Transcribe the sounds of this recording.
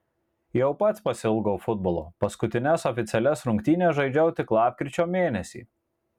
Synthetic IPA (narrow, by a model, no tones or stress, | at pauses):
jɛʊpɐt̪spɐsʲɪlˠɡɐʊfʊd̪̚bɔlˠo̰ːpɐskʊt̪ʲɪnʲɛsɔfʲɪt̪sʲɛlʲɛsɾʊŋʲkt̪ʲiːnʲeʒɐɪd͡ʒʲɛʊt̪ʲɪklˠɑːpʲkʲɾʲɪt͡ʃʲoːmʲeːnʲɛsʲḭː